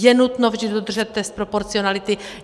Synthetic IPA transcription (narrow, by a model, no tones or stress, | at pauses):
jɛnut̪novʒdiddod̪rʒɛt̪̚ːɛst̪̚pɾopoɾt͡sio̞nalɪt̪ɪ